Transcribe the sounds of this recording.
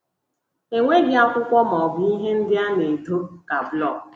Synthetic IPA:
e˨ŋʷe˦bja˦kʷʊ˦kʷɔ˦mɔ˨bi˦ɦe˦n̩˦dɪ˦a˦ne˨do˦ka˨blɔ˦˨k̚

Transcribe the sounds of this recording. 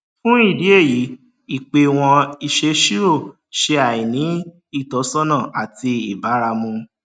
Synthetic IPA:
fũ˦i˦˨di˨˦e˦˨ji˨˦ | i˦˨k͡pe˧w̃ɔ̃˧i˧ʃe˧ʃi˦ɾo˦˨ | ʃe˧a˨i˨nĩ˨˦ | i˦˨tɔ˨˦sɔ˦nã˦˨a˨ti˧i˦˨ba˨˦ɾa˧mũ˧

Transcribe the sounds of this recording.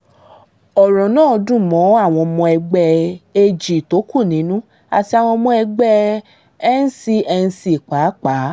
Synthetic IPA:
ɔ˨ɾɔ̃˨nãː˦˨ɔ˧dũ˦mɔ̃˨˦a˦˨w̃ɔ̃˧mɔ̃˧ɛ˧ɡ͡bɛ˧e˧d͡ʒi˨to˨˦ku˦˨nĩ˨˦nũ˦ | a̰˧˨ti˧a˨w̃ɔ̃˧mɔ̃˧˦ɛ˧ɡ͡bɛ˧ | ɛ˦n̩˦si˧ɛ˧ñ̩˧si˧˦˨k͡pa˨˦k͡paː˨˦

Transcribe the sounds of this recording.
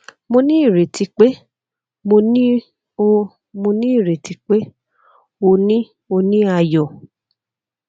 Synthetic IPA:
mo˧nĩ˦i˦˨ɾe˨ti˧k͡pe˦ | mo˧nĩ˦ | o˧ | mo˧nĩ˦i˦˨ɾe˨ti˨˧k͡pe˦ | o˧nĩ˦ | o˧nĩ˦a˧jɔ˨

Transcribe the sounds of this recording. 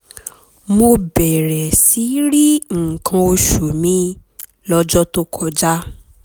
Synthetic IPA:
mo˧bɛ˨ɾɛ˨si˨˦ɾi˦ŋ̩˨kʰã˧o˧ʃu˨mĩ˨˦ | lɔ˦d͡ʒɔ˦to˦kʰɔ˧d͡ʒa˦

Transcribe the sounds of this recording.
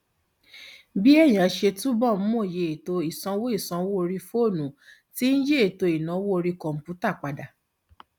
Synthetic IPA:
bi˦ɛ˦˨j̃ã˨˦ʃe˧tu˦bɔ˦˨m̩˦mõ˦˨je˨e˨to˧i˨sã˧˦wo˦i˦˨sã˧wo˦o˧ɾi˧fo˦˨nũ˨˦ti˦n̩˦je˦e˨to˧i˨nã˨˦wo˦o˧ɾi˧kɔ̃˨m̩˨pju˨˦ta˦˨k͡pa˨da˨

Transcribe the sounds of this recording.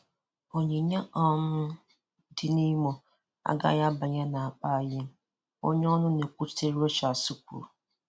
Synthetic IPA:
o˨ɲe˨ɲa˦ʔɔ˦mʊ˦ | dɪ˨ni˦mo˨ | a̰˦ɡa̰˦ja˦ba˨ɲa˦na˨a˨k͡pa˦˨jɪ˦m˦ | o̰˦ɲ˦ɔ˦nʊ˦ne˨kʷu˦te˦ɾo˦t͡ʃa˨su˦kṵ˨ɾ

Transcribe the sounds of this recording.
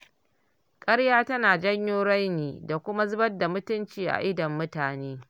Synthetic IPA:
kʼɐ˦ɽjaː˦tɐ˦naː˨d͡ʒɐ˦ɲjoː˦ɽa˦jniː˨da˨kʷʊ˦ma˦zʊ˦bɐ˦rda˨mʊ˦tʊ˦nt͡ʃiː˨ʔa̰˨ʔɪ˦dɐ˨mːʊ˦taː˨neː˦

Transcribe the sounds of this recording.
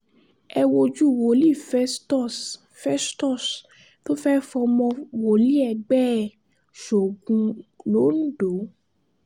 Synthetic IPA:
ɛ˧wo˧d͡ʒu˦˨wo˨li˦˨fɛ˦stɔ˦˨s | fɛ˦stɔ˦˨s | to˦fɛ˦fɔ˧mɔ̃˧wo˨li˦ɛ˧ɡ͡bɛ˦˨ | ʃo˨ɡũ˧lo˨˦nũ˦do˨˦

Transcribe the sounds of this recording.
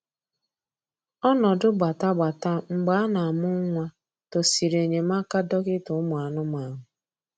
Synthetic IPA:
ɔ˦nɔ˨dʊ˦ɡ͡ba˨ta˦ɡ͡ba˨ta˦ŋ͡m̩˦ɡ͡ba˨˦a˦na˨mʊ˦ŋʷa˦ | to˨si˨ɾe˨ɲe˨ma˦ka˦dɔ˦ɣɪ˦tʊ˨˦mʊ˨a˨nʊ˦ma˨ɦʊ˨

